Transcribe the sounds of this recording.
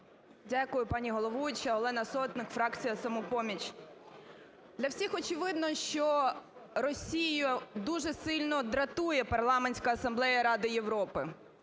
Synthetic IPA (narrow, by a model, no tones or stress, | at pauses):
dʲakʊjʊpɑnʲiɦɔlˠɔʋujt͡ʃɐɔlˠɛnɐsɔt̪nɪkfɾɑkt͡sʲijɐsɐmɔpɔmʲit͡ʃ | d̪lʲɐwsʲixɔt͡ʃɪʋɪd̪nɔʃt͡ʃɔ | rɔsʲijjʊd̪uʒɛsɪlʲnɔd̪ɾɐt̪ujɛpɐrlˠɑmenʲsʲkɐɐsɐmblˠɛjɐɾɑd̪ɪjeʋɾɔpɪ